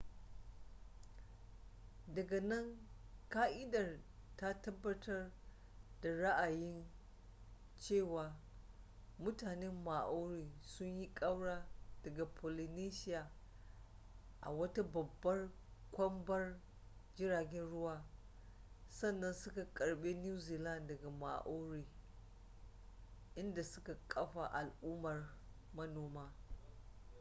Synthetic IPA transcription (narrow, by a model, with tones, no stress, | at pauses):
dɐ˨ɡa˨nɐ˦ŋkaː˦ʔɪ˦dɐ˨rta˦tɐ˦bːɐ˦tʰɐ˦r | da˨ɽa˦ʔa˨jɪ˦n | t͡ʃeː˦˨waː˨ | mʊ˦taː˨ne˦mːa˨ʔo˦ɽiː˨sʊ˦ɲji˦kʼɐ˦wɽaː˦d̥ɐ˨ɡa˨pʰo˨li˨niː˦ʃɪ˦jaː˨ | ʔa̰˨wɐ˦ta˦bɐ˨bːɐ˦r | kʷɐ˦mbɐ˦r | d͡ʒɪ˦ɾaː˨ɡʲɛ˦nɽʊ˦waː˦ | sɐ˦˨nːɐ˦nsʊ˦ka˨kʼɐ˨ɽbeː˦njuː˦ziː˨lɐ˦˨ndɐ˨ɡa˨ma̰˨ʔoː˦ɾiː˨ | ʔɪ˦nda˨sʊ˦ka˨kʼɐ˦ɸa˨ʔa˨lʔʊ˦mɐ˨r | mɐ˦noː˨maː˦